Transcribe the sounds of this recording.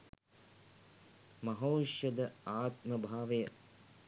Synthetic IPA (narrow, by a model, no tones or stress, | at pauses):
mɐɦoːʃjɐd̪əaːt̪məbʱaːʋejɐ